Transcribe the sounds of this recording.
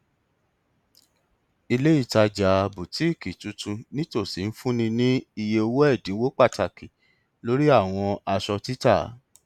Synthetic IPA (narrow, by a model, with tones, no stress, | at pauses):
i˧le˦i˦˨ta˧d͡ʒa˨˧bu˨ti˦i˦˨ki˨tũ˧˦tũ˧nĩ˦to˦˨si˨˦n̩˦fũ˦nĩ˧nĩ˦i˧je˧o˧wo˦ɛ˦˨dĩ˨˦wo˦k͡pa˦˨ta˨ki˨ | lo˨˦ɾi˦a˦˨w̃ɔ̃˧a˧ʃɔ˧ti˦ta˦˨˦